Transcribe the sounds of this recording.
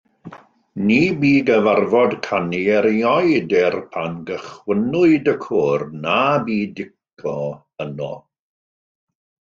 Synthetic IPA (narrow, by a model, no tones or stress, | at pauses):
niːbiːɡəvarvɔdkʰaniɛɾjɔjdɛrpʰanɡəχwənʊɨdəkʰoːrnabiːdɪkʰɔ | ənɔ̰